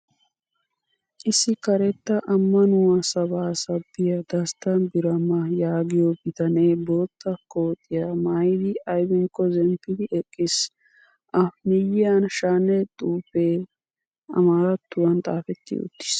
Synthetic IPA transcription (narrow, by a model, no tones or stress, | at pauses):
ʔɪsɪkɐɾɛt̪ːɐʔɐmːɐnʊwɐsɐβaːsɐbːɪjɐd̪ɐst̪ɐnbɪɾɐmːɐjaːɡɪjobɪt̪ɐneːbo̞ːt̪ːɐkoːt̪ʼːɪjamaːjd̪ɪɐjbɪŋkːɔzɛmpːɪd̪ɪʔɛkʼːɪs | ʔɐfnɪjɪɐnʃaːnɛt̪ʼuːfeː | ɐ̰maːɾɐt̪ːʊwɐnt̪ʼaːfɛt̪ːɪ̰ʊ̰t̪ːɪ̥s